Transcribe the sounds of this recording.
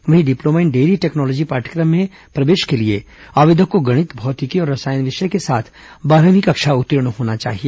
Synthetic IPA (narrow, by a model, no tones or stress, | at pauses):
ʋɐɦĩɖɪploːmaɪnɖeːɾiʈeːknɔːlɔːd͡ʒipaːɾʈʰəkɾəmːẽ | pɾɐʋeːʃkelie | aːʋɪd̪ʱəkːoɡɐɽ̃ɪt̪bʱɔːt̪ɪkiɔːɾːɐsaːjnʋɪʃekesaːt̪ʰ | baːɾəʋɪkɐkʃaʊt̪ːɾɪɽ̃ɦoːnat͡ʃa̰ːɦieː